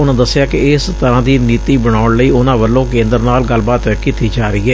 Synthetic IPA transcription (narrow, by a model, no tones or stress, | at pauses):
ʊnãːd̪əsːɪjaːkɪɪst̪əɾãːd̪iːniːt̪iːbəɽ̃aːʊɳləiːʊnãːʋəlːõːkẽːnd̪əɾnaːlɡəlbaːt̪ɛkɪt̪iːd͡ʒaːɾəiːɛː